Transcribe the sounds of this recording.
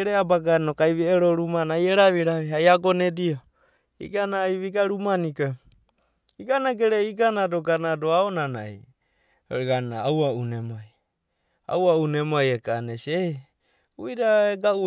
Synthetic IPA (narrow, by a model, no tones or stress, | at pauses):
ɾeabaɡanokajβieɾoɾumanajeɾaβiɾaβiɦajaɡonedio | ḭɡanaːjβiɡaɾumaniko | iɡanaɡeɾeiɡanadoɡanadoaonana̰j | ɡanaːwaunemaj | a̰waunemajekanese | ujɾaeɡau